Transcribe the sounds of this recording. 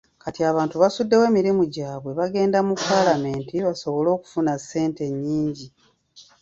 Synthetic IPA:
katiaːβaːntuβasudːe̞we̞ːmiɾimuɟaːβwe̞βaɡe̞ːndamupːaːlame̞ːntiβaso̞βo̞lo̞ːku̥funasːe̞ːnte̞ɲːiːɲɟi

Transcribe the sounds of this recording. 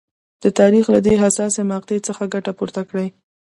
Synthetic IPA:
d̪̥ət̪ɑɾixlad̪eɦasɑsemɑq̚t̪et͡səxaɡaʈapuɾt̪akɽaj

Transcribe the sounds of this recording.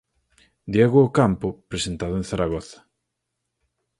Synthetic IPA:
d̪jeɣoːkampʊpɾesent̪aðʊẽnθaɾaɣɔθḁ

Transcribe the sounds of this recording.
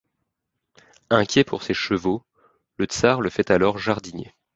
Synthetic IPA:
ɛ̃kʲjɛpʰuʁseʃəvo | lət̪saʁləfɛt̪alɔʁʒaʁd̪iɲjḛ

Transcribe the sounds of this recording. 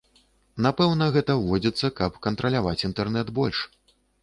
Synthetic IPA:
napɛwnɐɣɛt̪ɐvɔd͡zʲit̪sːɐkɐpkɐnt̪ɾɐlʲavat͡sʲint̪ɛrnɛd̪bɔlʲʂ

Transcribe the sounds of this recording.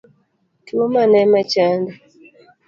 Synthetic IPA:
kilomanamat͡ʃanda

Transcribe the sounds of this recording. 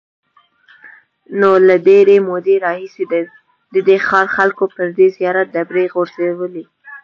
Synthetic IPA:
nolaɖeɾemod̪eɾɑhise | d̪əd̪exɑɾxalkopəɾd̪ezijɑɾat̪̚d̪abɾeɣoɾzewəli

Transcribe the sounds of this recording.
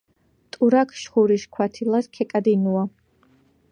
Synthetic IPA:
t̪ʼuɾakʰʃχuɾiʃkʰwat̪ʰilˠaskʰɛkʼad̪inua

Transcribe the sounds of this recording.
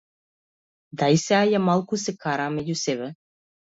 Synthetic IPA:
d̪ajseajamalˠkusekaɾamejʲuseβɘ̆

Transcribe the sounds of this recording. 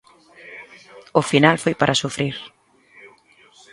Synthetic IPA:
ʊfinalfojpaɾʔasufɾiɾ

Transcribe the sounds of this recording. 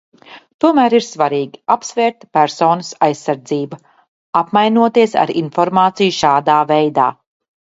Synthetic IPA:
t̪uɔmæːɾiɾsvaɾiːɡʲiapsvɛːɾt̪pæɾsɔːnɐsajsːaɾd̪ziːba | apmajnuɔt̪iɛsa̰ɾinfɔɾmaːt̪sijuʃaːd̪aːvɛjd̪a̰ː

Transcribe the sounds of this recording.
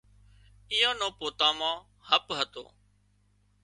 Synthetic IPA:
iːãːnõːpoːt̪ãːmãː | həpɦət̪o̰ː

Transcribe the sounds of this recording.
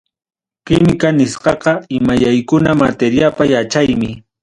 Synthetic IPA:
kɪmɪkanɪsqɑqɑɪmajajkʊnamat̪eɾjapajat͡ʃajmɪ

